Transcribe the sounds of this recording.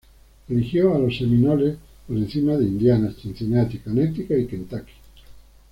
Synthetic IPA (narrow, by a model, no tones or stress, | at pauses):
d̪iɾixjoaloseminole | poɾẽn̟θimaðeind̪janast͡ʃin̟θineat̪ikanet̪ikaikent̪aki̥